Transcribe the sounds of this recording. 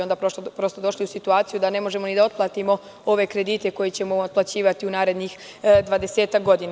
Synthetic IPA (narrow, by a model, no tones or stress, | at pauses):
ond̪aɾopɾo̞st̪od̪o̞ʃliusit̪uaːt̪sijud̪ane̞mo̞ʒe̞mo̞nid̪ao̞t̪̚plˠaːt̪imo̞ | o̞ʋe̞kɾe̞d̪iːt̪e̞ko̞jet͡ɕe̞moːt̪plˠat͡ɕiːʋat̪iunaːɾe̞d̪nix | d̪ʋaːd̪e̞seːt̪ak̚ɡo̞d̪in